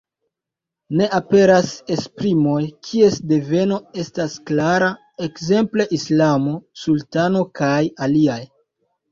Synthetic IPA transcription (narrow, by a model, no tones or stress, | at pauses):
ne̞ʔape̞ɾase̞spɾimo̞jkʰie̞sde̞ve̞no̞e̞stasklaɾa | e̞kze̞mple̞ʔislamo̞sultano̞kajaliaj